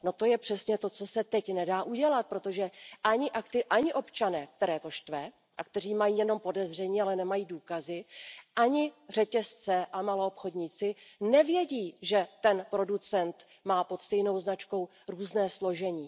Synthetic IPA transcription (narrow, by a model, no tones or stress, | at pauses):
no̞t̪o̞jɛpr̥ɛsɲɛt̪o̞t͡so̞sɛt̪ɛcnɛdaːʔuɟɛlat̪̚pɾo̞t̪o̞ʒɛʔaɲɪʔakt̪ɪʔaɲɪʔo̞pt͡ʃanɛːk̚t̪ɛɾɛːt̪o̞ʃt̪vɛ | ʔakt̪ɛr̝iːmajiːjɛno̞mpo̞dɛzr̝ɛɲiːalɛnɛmajiːduːkazɪʔaɲɪr̝ɛcɛst͡sɛʔamalo̞opxo̞dɲiːt͡sɪnɛvjɛɟiːʒɛt̪ɛnpɾo̞dut͡sɛnt̪ | maːpo̞t̪st̪ɛjno̞wznat͡ʃko̞w | ɾuːznɛːslo̞ʒɛɲiː